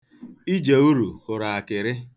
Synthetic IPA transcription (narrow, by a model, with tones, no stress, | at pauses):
i˦d͡ʒe˨u˦ɾu˨hʊ˨ɾa˨a˨kɪ˨ɾɪ˦